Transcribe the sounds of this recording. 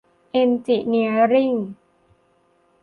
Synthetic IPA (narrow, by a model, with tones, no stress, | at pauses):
ʔe˧nt͡ɕi˨˩ni˧əɾi˥˩ŋ